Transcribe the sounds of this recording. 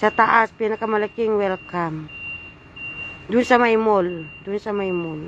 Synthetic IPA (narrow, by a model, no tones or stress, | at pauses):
sat̪aʔaspianakamalakiŋwɛlkam | dunsamaimɔldunsamaimɔl